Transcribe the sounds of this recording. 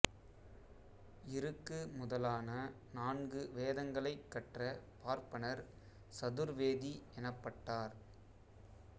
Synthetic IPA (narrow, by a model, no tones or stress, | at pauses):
ɪɾɯkːɯmʊðɐlaːnɐnaːnɡɯʋeːðɐŋɡɐɭɐɪkːɐʈrɐpaːɾpɐnɐɾ | sɐðɯɾʋeːðiɛnɐpːɐʈːaːɾ